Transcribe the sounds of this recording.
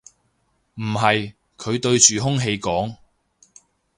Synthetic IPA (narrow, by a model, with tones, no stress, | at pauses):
m̩˨˩ɦɐ˨j | kʰɵ˨˧ɥt̪ɵ˧ɥt͡ʃyː˨ɦʊ˥ŋɦe˧jkɔː˨˥ŋ